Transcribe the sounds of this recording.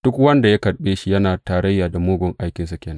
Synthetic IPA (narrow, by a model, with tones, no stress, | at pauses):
d̥ʊ˦kwɐ˦nda˨ja˦kɐ˨ɽɓeː˦ʃi˦jɐ˦naː˨taː˨ɾɐ˦jːaː˨da˨moː˦ɡʷʊ˨ŋʔa˦jkʲɪ˨nsa˦kʲeː˨na˦